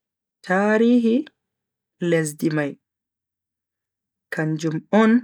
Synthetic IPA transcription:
tʰaːɾiːɦi | les̬dimaj | kʰand͡ʒumɔn

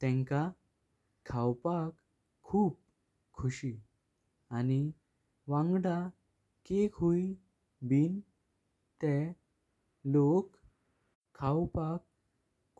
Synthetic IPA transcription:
t̪ɛ̃ŋka | kʰawpakʰː | uːp | kʰːuɕi | ani | ʋãŋɡɽa | kekʰui | biːn | t̪ɛ | lokʰː | awpak

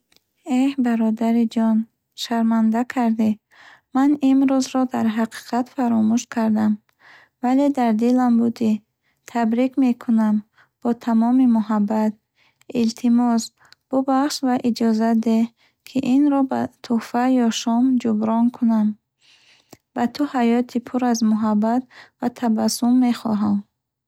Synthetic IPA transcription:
ehbaɾɔd̪aɾid͡ʒɔn | ʃaɾmand̪akʰaɾd̪iː | animɾuzɾɔd̪aɾɦaqʰi̥qʰat̪faɾɔmuʃkʰaɾd̪am | vale̞d̪aɾd̪ilambud̪i | t̪ʰabɾikmekʰunam | b̥ɔt̪ʰamɔmimuɦabːat̪̚ | ilt̪ʰimɔs | b̥ɔbaχʃvaʔid͡ʒɔzad̪e | kʰiʔinɾɔba̰t̪ʰufajɔʃɔmd͡ʒubɾɔnkʰunam | b̥at̪ʰuhajɔt̪ʰipʰuɾazmuɦabːat̪̚vat̪ʰabasumːeχɔ̰ɦam

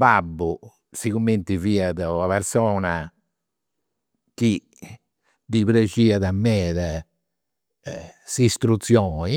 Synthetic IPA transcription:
babːu | siɣumːent̪iviːaðɛaβɛɾsɔːna | ki | d̪iβɾed͡ʒiːaðamːɛːðɛ | sist̪ɾut̪sjɔːi

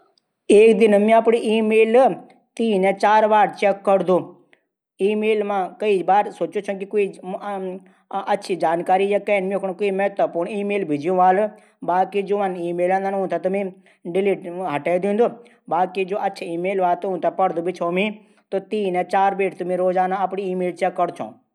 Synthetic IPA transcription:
eːkd̪ɪnmĩɐpɽiʔiːmeːl | t̪iːnɛ̃t͡ʃaːɾbaːɽt͡ʃɛkːɐɽd̪oː | iːmeːlmãːkɐibaːɾsoːt͡ʃot͡ʃʰũkikoːi | ɐtːʃʰid͡ʒaːnkaːɾijakɛːnmikʰɽkoːimɛɦt̪əpuːɾɳ̃iːmeːlbʱɪd͡ʒjũʋaːl | baːkid͡ʒoːʋãniːmeːlãːnd̪anɦũt̪ʰat̪ɐmĩ | ɖɪliːʈɦɐʈaːjd̪ĩːnd̪o | baːkid͡ʒoːʔɐtːʃʰaiːmeːlʋaːt̪uɦũt̪ʰapɐɽd̪ubʱit͡ʃʰoːmĩ | t̪ot̪iːnẽt͡ʃaːɾbeːʈt̪ʊmĩɾoːzaːnãɐpɽiiːmeːlt͡ʃɛkːəɽt͡ʃʰõ̰ː

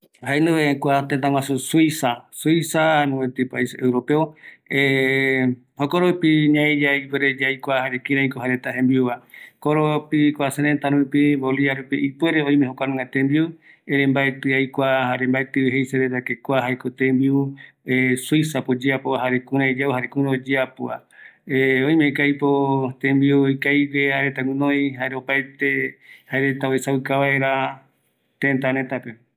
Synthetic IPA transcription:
haenuβeakʷat̪ent̪̬ãŋʷãsusuisasuisanũet̪ipaisewɾopeoe | hokoɾopiɲãed͡ʒaipweɾed͡ʒajkʷahaɾekiɾãikoɦaɾet̪aɦẽmbiuβakoɾopikʷaseɾent̪aɾũpiboliaɾupiʔipweɾeoj̃mẽɦokʷanũŋat̪embiu | eɾembaet̪ɨajkʷahaɾembaet̪ɨɦejseɾet̪akekʷaɦaekot̪ẽmbiuesujsapod͡ʒeapoaɦaɾekũɾãed͡ʒauhaɾekũɾãod͡ʒeapoa | eõj̃mekajpot̪ẽmbiuojkajβeaɾet̪aɡũnõjhaeɾeopaet̪ehaeɾet̪aesawɨkaβaeɾa | t̪ent̪aɾẽt̪ape

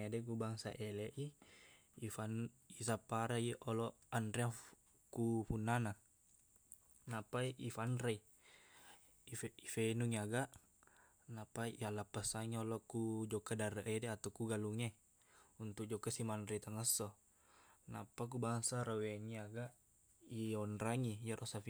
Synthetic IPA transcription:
adɛk̬ubaŋsa̰ʔɛlɛʔi | ifanisapaɾaiɔlɔandɾɛa | kufunːana | napaiʔifanɾai | iifenuŋaɡaʔ | napaiialapəsaŋiɔlɔkud͡ʒɔkadaɾəʔedɛat̪akuɡaluŋe | unt̪uk̚d͡ʒɔkasimandɾeit̪əŋəsɔ | na̰pak̬ubaŋsaɾawɛŋiaɡaʔ | iɔnɾaŋijaɾʔɔsaf

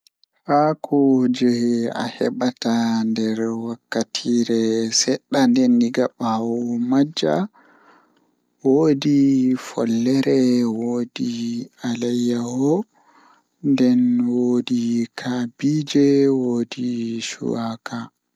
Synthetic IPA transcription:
hakʰɔd͡ʒɛa̰hɛɓatandɛɾwakːatʰiɾɛsɛɗːandɛnːiɡaɓawɔmad͡ʒːa̰ | woːdifɔ̰lːɛɾɛwoːdialajːahɔ | ndɛnwoːdikʰabid͡ʒɛwoːdiʃṵwaka

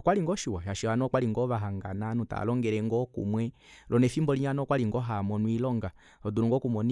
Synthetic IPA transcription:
kwaliŋɡɔʃiwajaʃianɔkwaliŋɡɔβaɦaŋɡananuta̰lɔŋɡɛɾɛŋɡɔkṵmwɛ | lʔɔnɛfimbɔliɲanɔkwaliŋɡɔɦamɔnwilɔŋɡa | ɔduɾuŋɡɔkumɔn

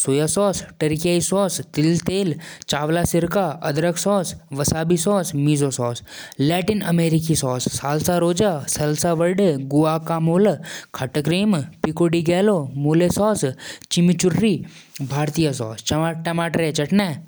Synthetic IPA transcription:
soːjasɔːsʈɐɾkijaːisɔːst̪ɪlt̪eːlt͡ʃaːʋlaːsɪɾkaɐd̪ɾəksɔːsʋɐsaːbisɔːsmiːzosɔːslɛːʈinɐmeːɾikisɔːsːaːlsaɾoːd͡ʒaːsɐlsaʋɐɾɖɡʊʋaːkamoːlkʰɐʈəkɾiːmpikoːɖiɡɛːlomoːlesɔːst͡ʃimit͡ʃʊɾːiː | bʱaːɾt̪ijasɔ̰ːst͡ʃʈɐmaːʈɾet͡ʃɐʈnɛː

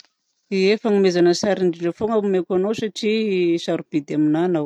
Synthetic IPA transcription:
iefaŋimezanəsaɾiɳɖ͡ʐiɖ͡ʐefoŋamekʲanosaʈ͡ʂisaɾub̥id̪aminanaw

